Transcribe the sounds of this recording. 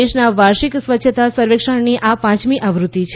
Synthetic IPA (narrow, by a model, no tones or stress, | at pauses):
eʃnaʋaɾʃiksʋətːʃʰət̪asəɾʋekʂəɳniʔapãt͡ʃmiʔaʋɾut̪ːit͡ʃʰ